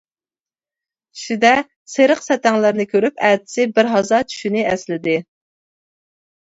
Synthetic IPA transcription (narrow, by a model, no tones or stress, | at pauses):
ʃid̪ɛ | seɾəqsɛt̪ɛŋlˠæɾnɨkʲʰøɾypɛt̪ɪ̥sɪbɪɾɦɑzɑt͡ʃ̪ʰy̥ʃynɪɛslɪd̪ɪ